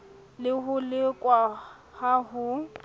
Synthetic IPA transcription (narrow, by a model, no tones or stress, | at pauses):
lɪɦʊlɪkʼwa | haɦʊ